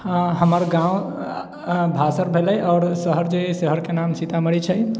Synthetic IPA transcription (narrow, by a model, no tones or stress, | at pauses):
ãɦəməɾɡãw | bʱasəɾbʱeləjʔɔːɾsəɦəɾd͡ʒesəɦəɾkenamsit̪aməɽit͡ʃʰəj